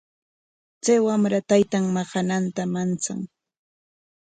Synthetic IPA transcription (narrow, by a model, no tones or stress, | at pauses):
t͡sajwamɾat̪ajt̪aŋmɑχɑnant̪amant͡sa̰ŋ